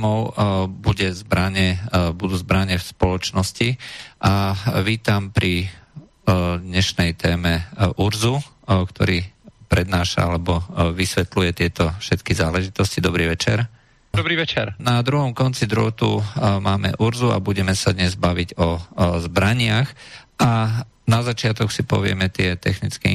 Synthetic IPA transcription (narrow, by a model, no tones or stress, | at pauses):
mɔʊbuɟɛzbɾaɲɛbud̪uːzbɾaɲɛfspɔlɔt͡ʃnɔsciʔaʋiːt̪ampɾi | d̪ɲɛʃnɛjt̪ɛːmɛʔuɾzu | kt̪ɔ̰ɾiːpɾɛd̪naːʃa̰alɛbɔʋisʋɛt̪lujɛt̪ɪɛt̪ɔfʃɛt̪kizaːlɛʒit̪ɔscid̪ɔbɾiːʋɛt͡ʃɛ̰ɾ | ɔbɾiːʋɛt͡ʃɛɾnad̪ɾuɦɔmkɔnt͡sid̪ɾɔt̪umaːmɛ̰ʔuɾzua̰buɟɛmɛsad̪ɲɛzbaʋiɟɔzbɾaɲɪaxʔa | nazat͡ʃɪat̪ɔksipɔ̰ʋɪɛ̰mɛt̪ɪɛt̪ɛxnit͡skɛ̰